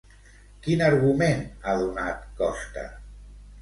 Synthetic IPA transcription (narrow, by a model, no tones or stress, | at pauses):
kinaɾɣumenaðunat̪kɔst̪ə̰